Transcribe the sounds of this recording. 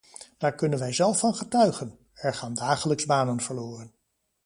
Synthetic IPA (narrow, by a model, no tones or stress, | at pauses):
d̥aːɹkɵnənʋɛjzɛlˠfɑnχətœɥχən | ɛɹχaːndaːχələkzbaːnənv̥əɹloːrən